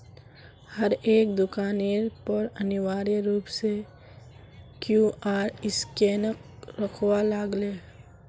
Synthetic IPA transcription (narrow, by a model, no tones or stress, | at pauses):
həɾeːk̚d̪ʊkaːniːɾpəɾɐnɪwaːɾiɾuːpse | kjuːʔaːɾɪskeːnəkɾəkʰwalaːɡleː